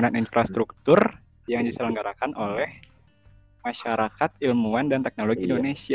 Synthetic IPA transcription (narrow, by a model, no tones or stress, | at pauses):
naninfɾʔast̪ɾuk̚t̪ʊr | jaŋdisələŋɡaɾakanʔolɛh | maʃaɾakat̪ilmuandant̪ɛk̚noloɡiindonesia